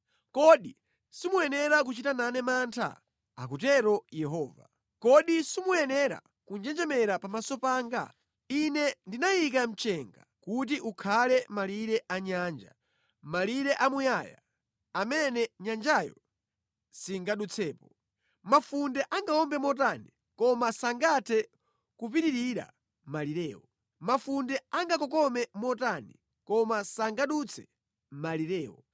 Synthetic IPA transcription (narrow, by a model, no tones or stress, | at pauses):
kɔɗi | simujɛnɛɾak̬ut͡ʃitananɛmantʰa̰ | a̰k̬utɛɾɔjɛɦɔːva̰ | kɔɗisimujɛnɛɾa̰ | kund͡ʒɛnd͡ʒɛmɛɾapamasɔpaːŋɡa̰ | inɛndinajik̬am̩t͡ʃɛŋɡa̰kut̬iʔukʰalɛmaliɾɛʔaɲaːnd͡ʒa̰ | maliɾɛʔamujaːja̰ | amɛnɛɲand͡ʒajɔ̰ | siŋɡaɗut͡sʰɛːpɔ | mafundɛʔaŋɡaɔmbɛmɔtani | kɔmasaŋɡatʰɛ | kup̬iɾiɾiɾa̰ | maliɾɛːwɔ | mafundɛaŋɡakɔkɔmɛmɔtanḭ | kɔmasaŋɡaɗut͡sʰɛ̥ | maliɾɛːwɔ̰